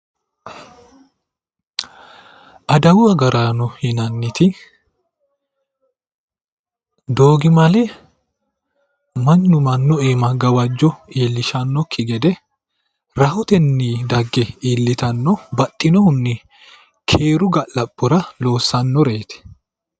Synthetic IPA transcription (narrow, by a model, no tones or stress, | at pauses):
ʔɐd̪ɐwʊɐɡɐɾaːnɔhɪnɐnːɪt̪ɪ | d̪oːɡɪmɐlɛ | mɐnːʊmɐnːɔeːmɐɡɐwɐd͡ʒːɔeːlːɪʃɐnːɔkʰːɪɡɛd̪ɛ | ɾɐhʊt̪ɛnːiːd̪ɐɡːɛiːlːɪt̪ɐnːɔbɐt̪ʼːɪnɔhʊnːɪ | kʰeːɾʊɡɐlɐpʼːʊɾɐlo̞ːsːɐnːɔɾeːt̪ɛ̥